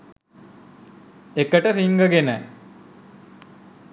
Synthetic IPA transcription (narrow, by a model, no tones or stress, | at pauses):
ekəʈəɾiŋɡəɡenə